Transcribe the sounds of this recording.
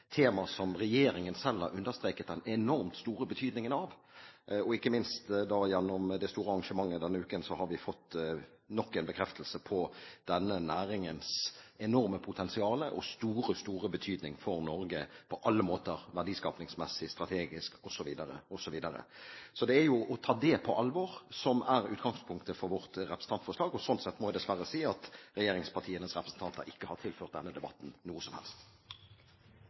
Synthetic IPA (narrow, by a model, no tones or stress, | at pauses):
t̪ʰeːmɑsɔmʁɛjeːɾɪŋənsɛlːɑɾʉnd̪əst̪ʁeːkət̪̚d̪ɛnɛnɔɾmt̪st̪uːɾəbət̪ʰyːd̪nɪŋənɑʋ | ɔɪkːəmɪnst̪d̪ɑjɛnːɔmd̪ɛst̪uːɾəɑɑŋʂəmɑŋːəd̪ɛnːəʉːkənsɔhɑɾʋɪfɔt̪ː | nɔkːɛɪnbəkʰɾɛft̪ʰəl̩səpʰɔd̪̥ɛnːənæːɾɪŋənsɛnɔɾməpʰʊt̪ʰɛnsɪɑːləʔɔ̰st̪uːɾəst̪uːʁəbət̪ʰyːd̪nɪŋfɔɾnɔɾɡəpʰɔʔɑlːəmoːt̪əʁʋæʁɖiːskɑːpnɪŋsmɛsːɪst̪ɾɑt̪ʰeːɡɪskɔsɔʋiːd̪əɾə̰ɔsɔʋiːd̪əɾə̰sɔd̪ɛæjʊʔɔt̪ʰɑːd̪ɛpʰɔʔɑlʋɔʁsɔmæɾʉːt̪̚ɡɑŋspʰʊŋkt̪əfɔɾʋɔʁt̪ɾɛpʰɾəsn̩ɑnt̪fɔʂɭɑːɡɔsɔnt̪sɛt̪ːmɔʋɪd̪ɛsʋæɾəsiːɑt̪ɾɛjeːɾɪŋspʰɑʈʰiːənəsʁɛpɾəsn̩t̪ɑnt̪ə̰ɾɪkːəhɑt̪ʰɪlføːʁt̪̚d̪ɛnːəd̪ɛbɑ̰t̪ːn̩nuːəsɔmhɛ̰lst̪